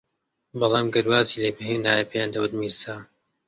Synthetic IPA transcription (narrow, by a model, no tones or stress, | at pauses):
bɑlˠɑːmɡɐɾwaːziːleːbɨɦeːnaːjepʰejaːnd̪ɐwɨd̪miɾsaː